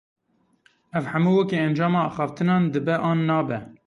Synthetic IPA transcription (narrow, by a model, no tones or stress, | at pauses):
ɛvħæmuːwɛkeːɛnd͡ʒɑːmɑːɑːxɑːft̪ʰɨnɑːnd̪ɨbɛʔɑːnːɑːbɛ